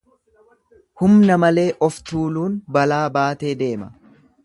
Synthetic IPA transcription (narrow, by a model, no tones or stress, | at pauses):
hʊmnɐmɐle̞ːʔɔft̪uːluːnbɐlaːbaːt̪e̞ːd̪e̞ːmɐ